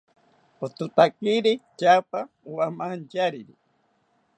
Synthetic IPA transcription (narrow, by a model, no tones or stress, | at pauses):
ot̪ut̪akiɾit͡ʃapa | wamant͡ʃaɾiɾḭ